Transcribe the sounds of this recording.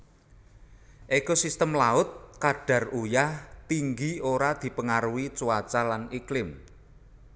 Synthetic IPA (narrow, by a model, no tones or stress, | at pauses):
ʔekosist̪əmlaʊt̪̚kaɖ̥ä̤rujaht̪iŋɡioɾad̪̥i̤pəŋaɾuwit͡ʃuwat͡ʃalaniklɪm